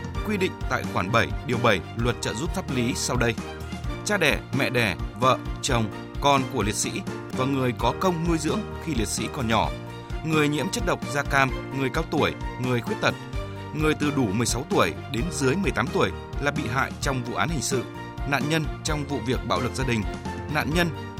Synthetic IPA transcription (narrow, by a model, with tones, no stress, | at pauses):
kwi˧ɗḭ̈˧˨ŋ̟t̪a̰ː˧˨jxwaː˧˩nɓə˧˩jɗi˨˩əwɓə˧˩jlwə˨˩t̚t͡ɕə̰ː˧˨zu˦˥p̚t̪ʰa˦˥p̚li˨˦sa˧wɗə˧j | t͡ɕaː˧ɗɛ˧˩mɛ̰˧˨ɗɛ˧˩və̰ː˧˨t͡ɕə˨˩wŋ͡m | kɔ˨˩nku˧˩əli˨˩ət̚sḭ˧˥ | vaː˨˩ŋɨ˨˩əjkɔ˨˦kə˧wŋ͡mnu˧jzɨ̰˧˥əŋxi˧li˨˩ət̚sḭ˧˥kɔ˨˩nɲɔ˧˩ | ŋɨ˨˩əjɲḭ˧˥mt͡ɕə˦˥t̚ɗə˨˩wk͡p̚zaː˧kaː˧mŋɨ˨˩əjkaː˧wt̪u˧˩əjŋɨ˨˩əjxwət̚t̪ə˨˩t̚ | ŋɨ˨˩əjt̪ɨ˨˩ɗu˧˩mɨ˨˩əjsa˨˦wt̪u˧˩əjɗe˨˦nzɨ˨˦əjmɨ˨˩əjt̪aː˨˦mt̪u˧˩əj | laː˨˩ɓḭ˧˨ɦa̰ː˧˨jt͡ɕɔ˧wŋ͡mvṵ˧˨ʔaː˨˦nhï˨˩ŋ̟sɨ̰˧˨ | na̰ː˧˨nɲə˧nt͡ɕɔ˧wŋ͡mvṵ˧˨vi˨˩ək̚ɓa̰ː˧wlɨ˨˩k̚zaː˧ɗï˨˩ŋ̟na̰ː˧˨nɲə˧n